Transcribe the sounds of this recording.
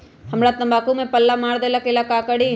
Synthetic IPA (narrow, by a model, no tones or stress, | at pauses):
ɦɐmɾat̪ɐmbaːkũmẽpɐlːamaːɾd̪eːlakelakaːkəɽi